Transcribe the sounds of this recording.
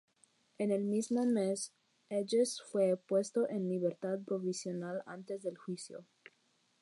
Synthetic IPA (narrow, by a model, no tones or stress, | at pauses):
ene̞lmizmomes | ed͡ʒesfwepwe̞st̪o̞ʔenliβe̞ɾt̪aðpɾo̞βisjo̞nala̰nt̪e̞zðe̞lxwisjo̰